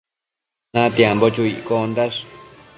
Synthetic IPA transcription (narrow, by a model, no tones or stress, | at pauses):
ãt̪jembot͡ʃuiʔkonɾaʂ